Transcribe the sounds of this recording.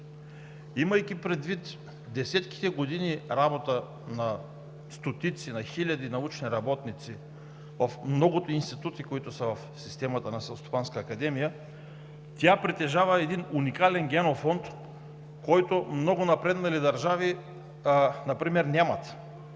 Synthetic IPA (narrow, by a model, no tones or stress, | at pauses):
iməjkʲipɾɛd̪vit̪ | d̪ɛsɛt̪k̟i̥t̪ɛɡod̪iniɾabot̪ə | nɐ | st̪ot̪it̪sinɐxilʲɐd̪inɐut͡ʃniɾɐbɔt̪nit̪si | vɐfmnɔɡʊt̪oinst̪it̪ut̪ikoit̪ʊsəvɐfsist̪ɛmɐt̪ənɐsɛlˠost̪o̥panskəːkɐd̪ɛmijə | t̪ʲapɾit̪ɛʒavəɛd̪inunikalɛnɡʲɛnofɔnt̪ | kɔjt̪omnɔɡʊnɐpɾɛd̪nɐilid̪ɐɾʒavi | nɐpɾimɛɾnʲamɐt̪